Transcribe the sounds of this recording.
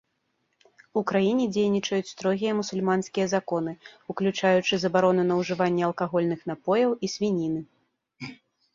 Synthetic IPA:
ukɾajinʲɛd͡zʲejnʲit͡ʂɐjut͡sʲst̪ɾɔɣʲijɐmusulʲmanskʲijɐzakɔn̪ɨuklʲut͡ʂajut͡ʂɨzɐbaɾɔnunɐwʐɨvanʲːɛɐlˠkaɣɔlʲnɨxn̪apɔjɐwisʲvʲinʲinɨ

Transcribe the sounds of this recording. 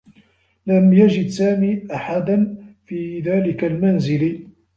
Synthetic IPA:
lamjad͡ʒɪd̪saːmiːʔaħad̪anfiːðaːlɪkalmanzɪl

